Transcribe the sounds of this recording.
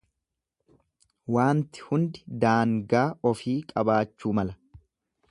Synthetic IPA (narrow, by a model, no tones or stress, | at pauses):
waːnt̪ɪ̥hʊnd̪ɪ̥d̪aːŋɡaːɔfiːkʼɐbaːt͡ʃːuːmɐlɐ